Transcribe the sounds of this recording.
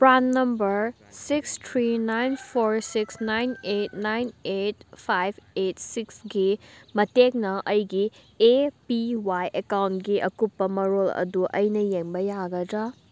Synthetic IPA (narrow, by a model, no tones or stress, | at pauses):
pɾanːɐmbɐɾ | sikstʰɾinajnpʰoɾsiksnajnetnajnet̚pʰajb̚ʱet̚siksɡimɐtek̚nɐʔɐjɡi | epiwajʔekawntɡiʔɐkupːɐmɐɾolɐ̰duʔɐjnɐjeŋbɐjaɡɐdɾa